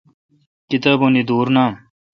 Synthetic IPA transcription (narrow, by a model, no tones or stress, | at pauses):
kit̪abunid̪uːɾnaːm